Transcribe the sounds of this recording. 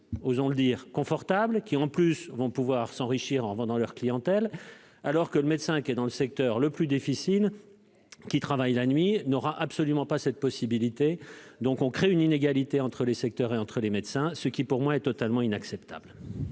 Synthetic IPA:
ozɔ̃ləd̪iːʁkɔ̃fɔʁt̪ablkʲiɑ̃plysvɔ̃puvwaʁsɑ̃ʁiʃiʁɑ̃ʁvɑ̃d̪ɑ̃lœʁklijɑ̃t̪ɛl | alɔʁkələmɛt̪sɛ̃kʲiɛd̪ɑ̃ləsɛk̚t̪œʁləplyd̪ifisil | kʲit̪χavajlanɥinɔʁaʔapsɔlymɑ̃pasɛt̪̚pɔsibilit̪ed̪ɔ̃kɔ̃kχeynineɡalit̪eɑ̃t̪χəlesɛk̚t̪œʁeɑ̃t̪χəlemɛd̪sɛ̃səkʲipuʁmwaɛt̪ɔt̪almɑ̃inaksɛpt̪a̰bl

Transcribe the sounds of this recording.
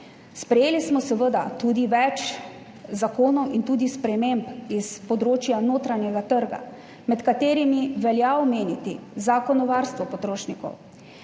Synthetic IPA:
spɾɛjeːlismɔsɛʋəd̪at̪uːd̪iʋɛt͡ʃ | zakoːnɔwint̪uːd̪ispɾɛmempispɔd̪ɾoːt͡ʃjanoːt̪ɾanjɛɡat̪əɾɡa̰ | mɛt̪kat̪eːɾimiʋɛljaɔmeːnit̪izaːkɔnɔʋaːɾst̪ʋɔpɔt̪ɾoːʃnikɔ̰w

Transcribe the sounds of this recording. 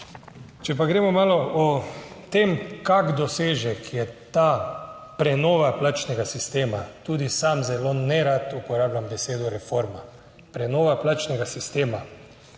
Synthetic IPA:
t͡ʃɛp̬aɡɾɛːmɔmaːlɔʔɔt̪emkaɡd̪ɔseːʒɛkʰjɛt̪a | pɾɛnoːʋaplat͡ʃnɛɡasist̪eːmat̪uːd̪isamzɛlonɛɾat̪upɔɾaːblʲambɛseːd̪uɾɛfoɾma | pɾɛnoːʋaplat͡ʃnɛɡasist̪eːma

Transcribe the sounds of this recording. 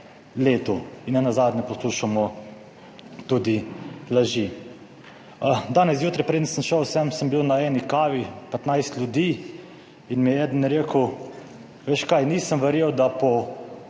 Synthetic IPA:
leːt̪uinːɛnazaːd̪nʲɛpɔsluːʃamɔ | t̪uːd̪ilaʒi | d̪aːnɛsjuːt̪ɾɛpɾeːd̪ən̩sənʃəwsɛmsəmbiwnaɛːnikaːʋipɛt̪najst̪lʲjud̪iː | inmiɛɛːd̪ənɾeːkəw | ʋeːʃkajnisəmʋɛɾjeːwd̪apɔ

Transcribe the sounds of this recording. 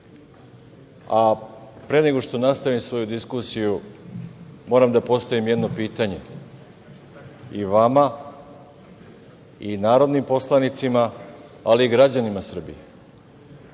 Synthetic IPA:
apɾe̞ne̞ɡo̞ʂt̪o̞nast̪aʋimsʋo̞jud̪iskusiju | mo̞ɾamd̪apo̞st̪aʋimjed̪no̞piːt̪aɲe̞ | iʋama | inaːɾo̞d̪nimpo̞slˠanit̪simaːliːɡɾad͡ʑanimasr̩bije

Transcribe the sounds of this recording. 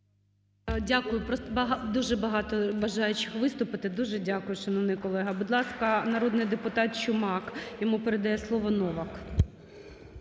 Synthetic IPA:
dʲakʊjʊpɾɔst̪bɐɦd̪uʒɛbɐɦɑt̪ɔʋɐʒɑjʊt͡ʃɪxʋɪst̪ʊpɪt̪ɪd̪uʒɛdʲakʊjʊʃɐnɔʋnɪjkɔlˠɛɦɐbʊd̪lˠɑskɐnɐɾɔd̪nɪjd̪epʊt̪ɑt̪̚t͡ʃʊmɑkjɔmupeɾed̪ɐjɛslˠɔʋɔnɔʋɐk

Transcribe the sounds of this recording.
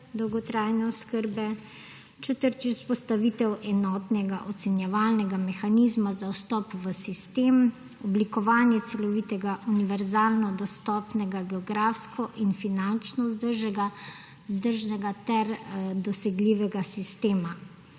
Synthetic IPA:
d̪ɔwɡɔt̪ɾaːjnɛɔskəɾbɛ | t͡ʃɛt̪əɾt̪iuspɔst̪aʋit̪ɛwʔɛnɔːt̪nɛɡaʔɔt̪sɛnjɛʋaːlnɛɡamɛxanizmazawst̪ɔːpʋəsist̪eːm | ɔblikɔʋaːnjɛt̪sɛlɔʋit̪ɛɡaʔuniʋɛɾzaːlnɔd̪ɔst̪ɔːpnɛɡaɡɛɔɡɾaːfskʰɔʔinfinant͡ʃnɔzd̪əɾʒɛɡa | zd̪əɾʒnɛɡat̪ɛɾd̪ɔsɛɡliːʋɛɡasist̪eːma

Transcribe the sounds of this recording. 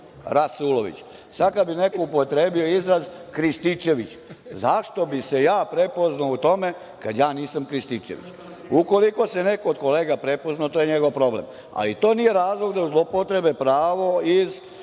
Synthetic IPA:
ɾasuloʋḭt͡ɕ | sad̪kad̪bine̞koupo̞t̪ɾe̞ːbio̞izɾazkɾist̪it͡ʃe̞ʋit͡ɕ | zaʃt̪o̞bisejaːpɾe̞po̞znaut̪o̞me | kad̪jaːniːsamkɾist̪it͡ʃḛʋḭt͡ɕ | uko̞liko̞sene̞koːd̪ko̞leːɡapɾe̞poznat̪ojeɲeɡo̞ʋpɾo̞blḛm | a̰lit̪o̞ːnije̞ɾaːzlˠoɡd̪auzlˠopot̪ɾe̞bepɾaːʋo̞iz

